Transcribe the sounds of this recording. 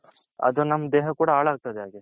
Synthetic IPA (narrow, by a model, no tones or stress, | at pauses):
ɐ̰d̪unɐmːɐd̪eːɦɐkuːɽɐaːɭɦaːɡ̚t̪ɐd̪eaːɡe